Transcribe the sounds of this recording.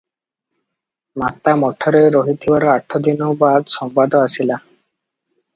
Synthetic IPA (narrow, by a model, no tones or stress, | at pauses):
mat̪ːamɔʈʰːɔɾeɾoɦit̪ʰibaɾoaʈʰːod̪inobad̪ʃɔmpad̪oasila